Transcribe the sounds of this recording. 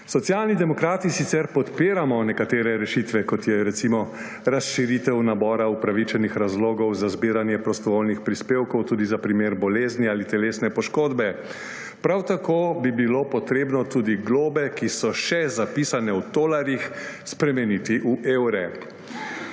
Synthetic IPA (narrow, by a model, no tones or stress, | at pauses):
sɔt̪sjalnid̪ɛmɔkɾaːt̪isit̪sɛɾpɔt̪piːɾamɔnɛkat̪eːɾɛɾɛʃit̪ʋɛkɔt̪jɛɾɛt̪simɔ | ɾasʃiɾit̪ɛwnabɔːɾaupɾaʋit͡ʃɛnixɾazloːɡɔwzazbiːɾanjɛpɾɔst̪ɔʋolnixpɾispeːwkɔwt̪uːd̪izapɾimeːɾbɔleːzniaːlit̪ɛleːsnɛpɔʃkoːd̪bɛ | pɾawt̪akobibilopɔt̪ɾeːbnɔt̪uːd̪iɡloːbɛkisɔʃɛzapiːsanɛud̪oːlaɾjixspɾɛmɛnit̪iʔuʔeːwɾɛ